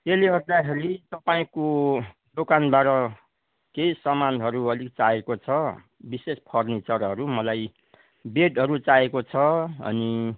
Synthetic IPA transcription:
eleɦʌrd̪akʰeɾit̪ʌpaĩko | d̪okanbaɾʌ | kejsʌmanɦʌɾuʌlik̚t͡saekot͡sʰʌ | bisespʰʌrnit͡sʌɾɦʌɾumʌlaj | beʈɦʌɾut͡saekot͡sʰʌʌ̰ni

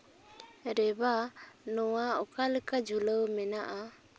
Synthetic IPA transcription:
ɾɛbanɔwaɔkaləkad͡ʒʱuləwmɛnaʔa

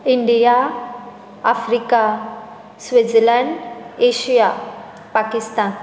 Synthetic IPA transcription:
iɳɖija | afɾika | sʋed͡zlaɳɖeɕija | pakist̪an

